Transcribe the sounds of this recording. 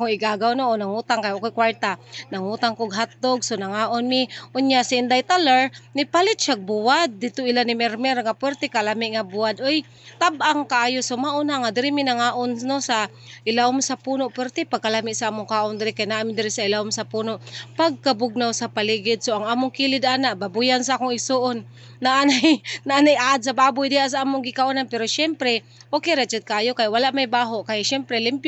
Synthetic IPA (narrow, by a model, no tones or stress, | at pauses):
koɪɡaɡawnoʔonaŋut̪aŋkajokojkwaɹt̪anaŋut̪aŋkoɡɦat̪̚d̪oɡsonaŋaːʔonmiʔʊnjaʔsaɪnd̪ajt̪alaɹnɪpalɪt̪t͡ʃaɡ̚buwad̪̚ːɪt̪ʊʔɪlanɪmɛɾmɛɾŋapwɛɾt̪ɪkalamɪʔŋabuad̪ʔoj | t̪abʔaŋkaʔaːjosomaʔʊnaŋad̪ɪɾɪminaŋaːʔonnosa | ʔɪlaʊmsapuːnoʔpwɛɾt̪epaɡ̚kalamɪʔsaʔaːmʊŋkaːʔond̪ɪɾɪkajnaʔamɪd̪ɪɾɪsaɪlaʊmsapunoʔpaɡ̚kabʊɡ̚nawsapaliɡɪd̪̚soaŋaːmʊŋkilɪd̪anaʔbabujansaaːkoŋɪɡsoʔonː | aʔanajnaʔanajʔaad̪̚s̬abaːbʊjd̪ɪaʔs̬aaːmʊŋɡɪkaʔonanpɛɾoʃɛmpɾɛ | okejɾat͡ʃɛd̪̚kaaːjokajwalaʔmajbaːɦoʔkajʃɛmpɾɛlɪmpj